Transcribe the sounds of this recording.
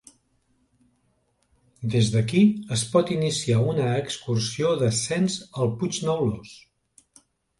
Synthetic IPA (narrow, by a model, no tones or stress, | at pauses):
d̪ezðəkiəspɔt̪inisiaunəːkskursioðəsɛnzəlˠpud͡ʒnəwlos